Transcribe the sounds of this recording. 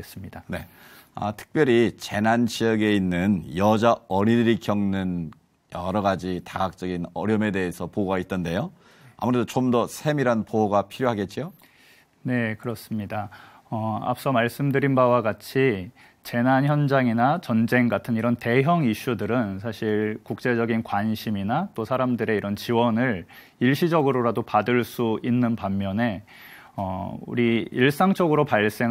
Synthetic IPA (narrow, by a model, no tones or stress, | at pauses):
es͈ɯmɲidane̞ | ʌ̰tʰɯ̥k̚p͈jʌɾit͡ɕe̞nanɕʰijʌɡe̞inːɯnjʌd͡ʑaʌɾidɯɾikjʌŋnɯn | jʌɾʌɡad͡ʑitaɡak̚t͡ɕ͈ʌɡinʌɾjʌme̞de̞esʰʌpooɡait͈̚ɯnde̞jo | a̰muɾe̞dot͡ɕomdʌsʰe̞miɾanpooɡapʰiɾjoɦaɡe̞t̚t͡ɕ͈ijo | ne̞kɯɾʌs͈ɯmɲida | ʌa̰p̚s͈ʌmaɭs͈ɯmdɯɾinbawaɡat͡ɕʰi | t͡ɕe̞nançjʌnd͡ʑaŋinat͡ɕʌnd͡ʑe̞ŋɡatʰɯniɾʌnte̞ɦjʌŋiɕ͈udɯɾɯnsʰaɕʰiɭkuk̚t͡ɕ͈e̞d͡ʑʌɡinkwanɕʰiminat͈osʰaɾamdɯɾe̞iɾʌnt͡ɕiwʌnɯɭ | iɭɕ͈ʰid͡ʑʌɡɯɾoɾadopadɯɭs͈uinːɯnpamːjʌne̞ | ʌ̰ṵɾiiɭs͈aŋt͡ɕ͈ʌɡɯɾopaɭs͈e̞